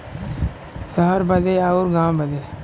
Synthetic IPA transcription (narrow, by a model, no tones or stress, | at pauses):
səɦəɾbəd̪eːaːuːɾɡãːwbəd̪eː